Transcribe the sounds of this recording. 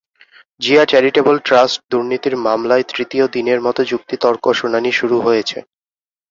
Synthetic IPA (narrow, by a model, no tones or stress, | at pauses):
d͡ʑiat͡ɕɛɾiʈebolʈɾasʈ̚d̪uɾnit̪iɾmamlaet̪ɾit̪iod̪ineɾmɔt̪od͡ʑuk̚t̪it̪ɔɾkoʃunaniʃuɾuɦojet͡ɕʰḛ